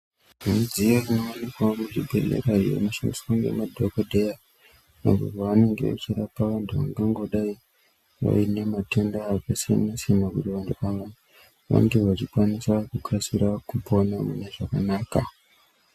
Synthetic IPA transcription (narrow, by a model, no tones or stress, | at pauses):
mud͡zijerinoonikwamuʐibʱḛlḛraijḛmaʃandiskaŋɡe̞̰madʱokodʱeja | na̰ɡṵaʋane̞ŋɡe̞̰ʋa̰t͡ʃirapaʋantʰuʋa̰ŋɡaŋɡo̞ɗai | ʋa̰ine̞matendaːkasia̰nasinakutiʋantʰuaʋa | ʋa̰ŋɡe̞ʋat͡ʃikwanisakukasiɾakuponamṵne̞ʐakanaːka